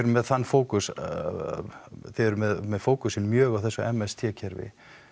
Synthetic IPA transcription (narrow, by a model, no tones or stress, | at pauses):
ɾʏmɛðθanːfoːwkʏs | θɛɾmɛðmɛðfoːwkʏsɪnmjœːɣawθɛsːʏɛmɛst̪ʰjɛːcʰɛɾvɪ̰